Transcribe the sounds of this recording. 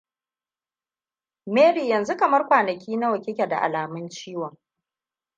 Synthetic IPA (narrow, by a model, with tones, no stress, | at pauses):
meː˦ɽiː˨jɐ˨nzu˦kɐ˨mɐ˦rkʷaː˨nɐ˨kʲiː˦na˦wɐ˨kʲɪ˦kʲɛ˨da̰˨ʔa̰˨laː˨mɪ˦nt͡ʃiː˦wɔ˨ŋ